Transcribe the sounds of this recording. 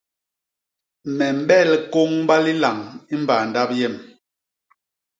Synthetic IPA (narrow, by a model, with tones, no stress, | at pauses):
mɛ˨m̩˦ɓɛ˦˨lko˦ŋba˦li˦la˨ŋi˦m˦baː˨nda˦p̚jɛ˦˨m